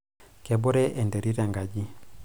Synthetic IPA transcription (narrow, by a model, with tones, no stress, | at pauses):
kɛ˨bɔ˦ɾɛ˦ʔɛ˨ndɛ˨ɾi˦ɾa˨ŋɡa˨ɟi˦